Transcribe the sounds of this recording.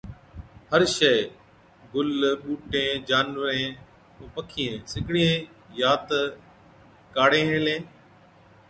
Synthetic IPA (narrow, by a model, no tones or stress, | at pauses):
həɾʃeː | ɡʊlɓuːʈẽːd͡ʒaːnʋəɾẽː | ũːpəkʰiːẽːsɪkɽiẽːjaːt̪ | kaːɽẽːɦẽːlẽː